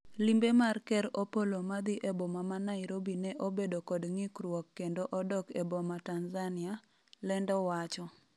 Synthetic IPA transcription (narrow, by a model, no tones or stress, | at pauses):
limbemarkɛɾopolomad̪ɪʔɛbomamanaɪɾobinɛʔobedokɔdŋɪkrwɔkːendoʔɔdɔkɛbomatanzanɪa | lɛndɔwat͡ʃɔ